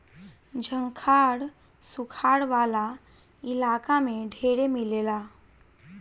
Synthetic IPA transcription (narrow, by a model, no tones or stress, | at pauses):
d͡ʒʱəŋkʰaɽ | sukʰaɽʋala | ilakameɖʱeɾemilela